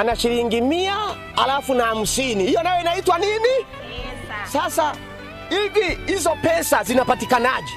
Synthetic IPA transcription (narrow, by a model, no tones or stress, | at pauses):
anaʃiɾiŋɡimia | a̰lafunaham̩sinihijɔnajɔinaitwanini | sasa | iɗiizɔpɛsazinapatikanaʄɛ